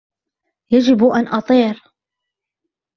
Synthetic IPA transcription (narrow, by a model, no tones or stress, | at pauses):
jad͡ʒɪbʔanʔɑt̪ˤiːɾ